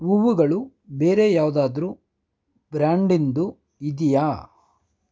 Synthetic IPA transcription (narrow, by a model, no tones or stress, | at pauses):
uʋuɡɐɭu | be̞ːɾe̞jaːʋud̪aːd̪ɐɾu | b̥ɾaːɳɖind̪u | id̪ija